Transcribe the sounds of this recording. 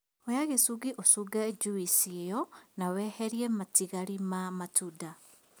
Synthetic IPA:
ojaɣesuɣiʔosuɡad͡ʒuisiejɔnawɛhɛɾiematiɣaɾimamatuda

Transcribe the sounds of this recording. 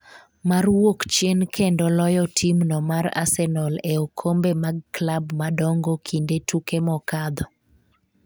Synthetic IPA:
marwokt͡ʃjenkʰendɔlɔjɔtʰimnɔmara̰sɛnɔleokʰombemaɡ̚klabmadɔŋɡokʰindetukemɔkad̪ɔ

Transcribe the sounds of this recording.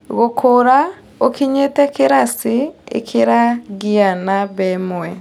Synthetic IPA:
ɣokʰoɾa | okiɲetɛkeɾasiḛkʰeɾaɡianabɛmɛ

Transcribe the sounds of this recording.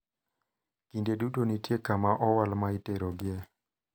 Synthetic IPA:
kindedutonitjekamaʔɔwalmaiteɾoɡɪe

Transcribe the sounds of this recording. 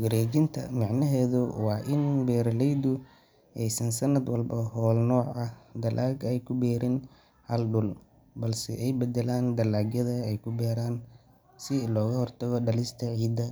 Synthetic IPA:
ɡɐɾɛːd͡ʒɪnt̪ʰɐ̰mɑʕnɐɦɛːðʊwɑːʔɪnbɛːɾɐlɛjd̪ʊ | ʔɛjsɐnsɐnɐd̪wɐlbɐɦɔːlnɔːʕʔɐhd̪ɐlʔaːɡɛjkʰʊbɛːɾɪn | hɐlɖʊl | bɐlsɛ̰ʔɛjbɛd̪ɛlaːnd̪ɐlaːɡjɐðɐɛjkʰʊbɛːɾaːn | sɪlɔːɣɐhɔrt̪ʰɐɣɔɖɐlɪst̪ʰɐʕiːd̪ːɐ

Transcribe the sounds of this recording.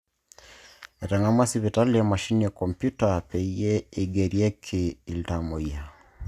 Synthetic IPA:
ɛtaŋamasiβitalijamaʃinijakɔmpjutapɛiɛiɡɛɾiɛkʰiːltamɔia

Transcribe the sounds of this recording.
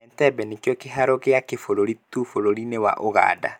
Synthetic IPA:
ɛntɛbɛnekjɔkeɦaɾɔɣeakefoɾoɾitufoɾoɾinewa̰ʔoɣa̰ːda̰

